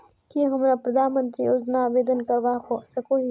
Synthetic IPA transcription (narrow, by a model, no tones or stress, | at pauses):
kiɦɐmɾapɾɐd̪ʱaːnmə̃nt̪ɾioɾd͡ʒnaːʋeːd̪ənkɐɾʋakosɐkoɦi